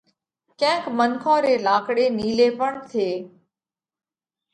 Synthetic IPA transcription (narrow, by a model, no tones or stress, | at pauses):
kɛ̃ːkmənkʰõːɾeːlaːkɽeːniːleːpəɳt̪ʰeː